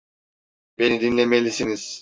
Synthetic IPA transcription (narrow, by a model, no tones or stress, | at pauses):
b̥e̞nid̪inlʲemelʲisiniz̥